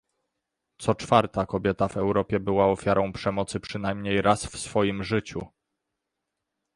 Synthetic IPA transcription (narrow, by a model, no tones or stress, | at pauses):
t̪sɔt͡ʂfaɾt̪akɔbʲjɛt̪avɛwɾɔpʲjɛbɘwaɔfʲjaɾɔ̃w̃pʂɛmɔt̪sɘpʂɘnajmɲejɾʔasfsfɔjimʐɘt͡ɕu